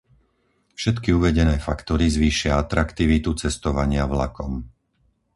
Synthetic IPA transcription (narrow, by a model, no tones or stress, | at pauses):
fʃɛt̪kiuʋɛɟɛnɛːfakt̪ɔɾizʋiːʃɪaat̪ɾakt̪iʋit̪ut͡sɛst̪ɔʋaɲɪavlakɔm